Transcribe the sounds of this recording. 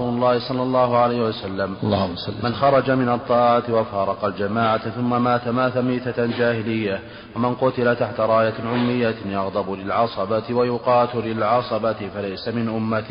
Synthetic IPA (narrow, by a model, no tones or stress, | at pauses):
uːlʊlˤːɑːhɪsˤɑlːɑlˤːɑːhʊʕalajhɪwasalːamlːɑːlːmanxɑɾˤɑd͡ʒamɪnɑt̪ˤːɑːʕat̪wafɑːɾˤɑqɑld͡ʒamaːʕat̪θʊmːamaːt̪amaːt̪amiːt̪ad͡ʒaːhɪlɪjːa | wamɪnqʊt̪ɪlat̪aħt̪aɾˤɑːjaʕʊmːɪjːajɑɣd̪ˤɑbʊlɪlʕɑsˤɑbat̪wajʊqɑːt̪ɪlɪlʕɑsˤɑbat̪ɪfalajsamɪnʔʊmːat̪